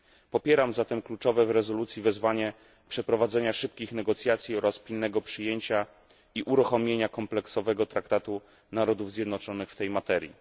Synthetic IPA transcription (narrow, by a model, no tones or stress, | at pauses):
pɔpʲjɛɾamzat̪ɛmklut͡ʂɔvɛvɾɛzɔlut̪sʲjivɛzvaɲɛ | pʂɛpɾɔvad̪zɛɲaʂɘp̚kʲixnɛɡɔt̪sʲjat̪sʲjiɔɾaspʲilnɛɡɔpʂɘjeɲt͡ɕa | iʔuɾuxɔmʲjeɲakɔmplɛksɔvɛɡɔt̪ɾak̚t̪at̪u | naɾɔd̪uvzʲjɛd̪nɔt͡ʂɔnɘxft̪ɛjmat̪ɛɾʲjḭ